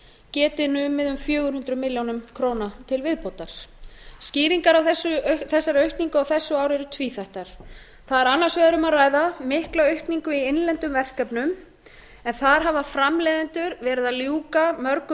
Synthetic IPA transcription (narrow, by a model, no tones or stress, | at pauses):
cɛːt̪ɪnʏmːɪðʏmfjœːɣʏɾhʏnt̪ɾʏmɪljownʏmkʰɾoːwnat̪ʰɪlvɪðpowt̪aɾ̥sciːɾiŋkaɾawθɛsːʏθɛsːaɾœɥhkniŋkʏawθɛsːʏaːwɾɛɾʏt̪ʰviːθajht̪aɾ̥ | θaðɛɾanːaɾ̥svɛːðʏɾʏmaɾaːjðamɪhklaœɥhkniŋkʏienlɛnt̪ʏmvɛr̥kɛpnʏm | ɛnθaɾ̥ɦavafɾamlɛːðɪnt̪ʏɾvɛːɾɪðaðljuːkamœɾkʏ